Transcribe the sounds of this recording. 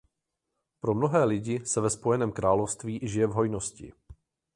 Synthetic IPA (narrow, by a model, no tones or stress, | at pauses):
pɾo̞mno̞ɦɛːlɪɟɪsɛvɛspo̞jɛnɛːmkɾaːlofst̪viːʔʒɪjɛvɦo̞jno̞scɪ̰